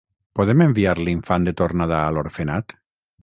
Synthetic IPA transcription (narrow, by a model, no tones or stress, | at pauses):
poðemembiaɾliɱfand̪et̪oɾnaðaːloɾfenat̪